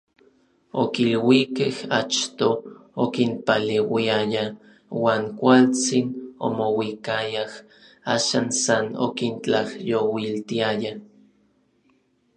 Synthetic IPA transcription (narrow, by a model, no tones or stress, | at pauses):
okilwikehat͡ʃt̪ookinpalewiaja | waːŋkʷalt͡sino̰mowikajah | aːʃaːnsano̰kint͡ɬahjowilt̪iaja